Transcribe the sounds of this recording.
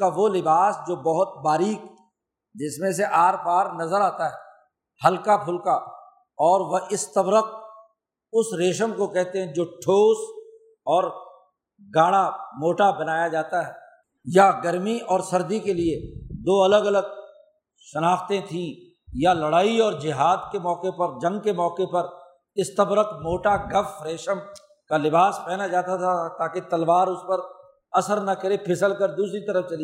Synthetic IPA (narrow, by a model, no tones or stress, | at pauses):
kaʋolɪbaːsd͡ʒoːbɐɦʊt̪̚baːɾiːk | d͡ʒɪsmẽseʔaːɾbaːɾnɐzəɾaːt̪aɦɛː | hɐlkapʰʊlka | ɔːɾʋɐʔɪst̪əbɾəq̚ | ʊsɾeːʃəmkokɛɦt̪eɦɛ̃d͡ʒoːʈʰoːs | ɔːɾ | ɡaːɽamoːʈabɐnaːjad͡ʒaːt̪aɦɛː | jaɡəɾmiʔɔːɾsɐɾd̪ikelied̪oːɐləɡɐləɡ̚ | ʃɐnaːxt̪ẽt̪ʰĩ | jalɐɽaːiɔːɾd͡ʒɪɦaːd̪kemɔːkepɐɾd͡ʒɐ̃ŋɡkemɔːkepɐɾ | ɪst̪əbɾəkmoːʈaɡɐfɾeːʃəm | kalɪbaːspɛːnad͡ʒaːt̪at̪ʰat̪aːket̪ɐlʋaːɾʊspəɾ | ɐsəɾnɐkəɾepʰɪsəlkəɾd̪uːsɾit̪ɐɾəfʰt͡ʃɐli